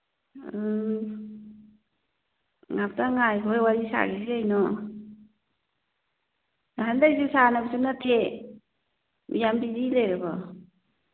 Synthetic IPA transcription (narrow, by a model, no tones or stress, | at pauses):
ŋap̚taŋajkʰɔjwaɾisa̰ɡisiajnɔ | handajzusanabisunatʰe | mʔḭjambidilejɾabɔ